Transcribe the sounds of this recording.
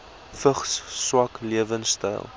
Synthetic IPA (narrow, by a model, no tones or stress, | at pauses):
fəχsːwɐkliəvənstɐ̰jlˠ